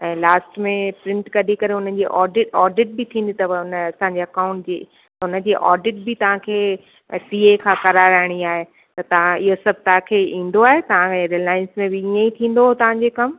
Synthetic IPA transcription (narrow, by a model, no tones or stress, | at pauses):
ɛ̃ːlaːsʈmẽpɾɪ̃ɳʈkɐɗikɐɾeʊnəd͡ʑiːʔɔːɖɪʈɔːɖɪʈ̚bɪt̪ʰĩːn̆d̪it̪ɐʋʊnɐsãɲd͡ʑeɐkaːʊ̃ɳʈ̚d͡ʑḛː | t̪ʊnə̆d͡ʑeːʔɔ̰ːɖɪʈ̚bɪt̪ɐʋ̤ãkʰeː | siːekʰãːkɐɾaɾəɦɪɽ̃iaːɦe | t̪ɐt̪ɐʋ̤ãɪɦosɐb̚ʱt̪ɐɦãkʰeːĩːn̆d̪oaːɦet̪ɐʋ̤ãɾɪlaːɪ̃nsmẽbɪijẽit̪ʰĩːnd̪oɦot̪ɐʋ̤ãɲd͡ʑeːkɐm